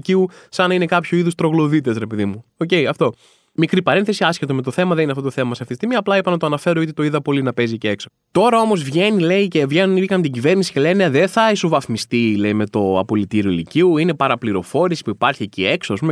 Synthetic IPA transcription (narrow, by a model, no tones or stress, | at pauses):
ciusɐnɐine̞kɐpçoiðust̪ɾo̞ɣlo̞ðit̪e̞sɾepeðimuo̞ce̞iɐft̪o̞ | mikɾipɐɾe̞nθe̞siɐscet̪ome̞t̪o̞θe̞mɐðeninɐft̪ot̪oθemɐseɐft̪iest̪imiɐːplɐipɐnɐt̪oɐnɐfe̞ɾoot̪it̪o̞iðɐpo̞linɐpe̞ziceekso | t̪o̞ɾɐo̞mo̞zvʝe̞nile̞ice̞vʝe̞nuniikɐnt̪iɟive̞ɾnisi̥celeneðeθɐisovɐθmist̪ile̞ime̞t̪o̞ɐ̰polit̪iɾio̞iliciuine̞pɐɾɐpliɾo̞fo̞ɾisi̥puipɐɾçiecie̞ksoɐs̬pume